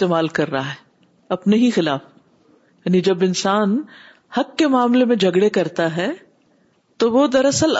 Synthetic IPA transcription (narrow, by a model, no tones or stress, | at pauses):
t̪eːmaːlkɐɾːɐɦaɦɛ | ɐpneɦixɪlaːf | jaːnid͡ʒɐbɪnsaːn | hɐkːemaːmlemẽd͡ʒʱɐɡɽekɐɾt̪aɦɛ | t̪oʋod̪ɐɾɐsəl